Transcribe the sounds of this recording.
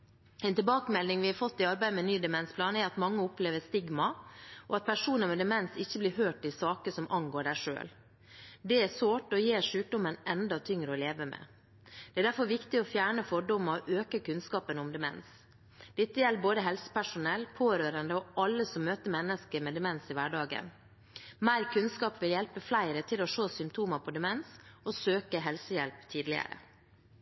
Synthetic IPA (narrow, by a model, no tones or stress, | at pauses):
ɛɪnt̪ɪlbɑːkəmɛlnɪŋʋɪhɑɾfɔt̪ːɪɑɾbæɪəmɛnyːd̪ɛmɛnspʰlɑːnɛɾɑt̪mɑŋːəʊpleːʋəst̪ɪɡmɑʔɔɑt̪̚pʰæʂuːnəmɛd̪ɛmɛnsɪçːəblɪːɦøːʈɪlsɑːkəsɔmʔɑŋɡoːɖæʂø̰ːl | d̪ɛæsʋoːʈɔjeːʂʉːk̚d̪ʊmənʔɛnd̪ɑt̪ʰʏŋɾəɔleːʋəmɛ̰ː | d̪̥ɛæːɖ̪æɾfɔɾʋɪkt̪ɪɔfjæːɳəfɔɖʊmɑʔøːkəkʉnskɑːpənʊmd̪ɛmɛ̰ns | d̪̥ɛt̪ːəjɛlːəboːd̪əɦɛlsə̥pæʂʊnɛlpʰoːɾøːɾənd̪əɔɑlːəsɔmːøːt̪əɾmɛnːəskəɾmɛd̪ɛmɛnsɪʋæɖɑːɡə̰n | mæɪɾkʰʉnskɑːpʋɪljɛlpəflæɪɾət̪ʰɪlɔʂoːsʏmpt̪ʰuːməpʰɔd̪ɛmɛnsɔsøːkəɦɛlsəjɛlpt̪ʰiːd̪lɪə̰ɾə̰